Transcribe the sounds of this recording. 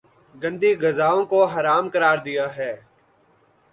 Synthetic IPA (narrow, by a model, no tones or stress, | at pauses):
ɡə̃nd̪iːɡəzaːõːkoːɦəɾaːmkəɾaːɾd̪ɪjaːɦɛː